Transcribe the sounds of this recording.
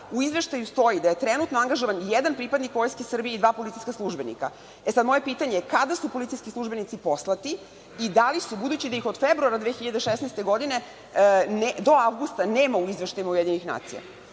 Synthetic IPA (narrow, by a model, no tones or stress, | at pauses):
uizʋe̞ʃt̪ajust̪o̞jid̪aje̞t̪ɾenut̪noaŋɡaʒoʋanjed̪anpɾipad̪nikʋo̞jskesr̩bijeid̪ʋaːpo̞lit̪ijsʲkaslˠuʒbe̞nḭka̰ | esad̪mo̞je̞piːt̪aɲekad̪asupo̞lit̪ijskislˠuʒbe̞nit̪sipo̞slˠat̪i | id̪alisubud̪uːt͡ɕid̪aixo̞d̪febɾuaɾad̪ʋeːçiʎad̪eʃesnajst̪e̞ɡo̞d̪ine̞ | ned̪o̞aʋɡust̪ane̞ːmauizʋeʃt̪ajimaujed̪ɲenixna̰ːt̪sḭja̰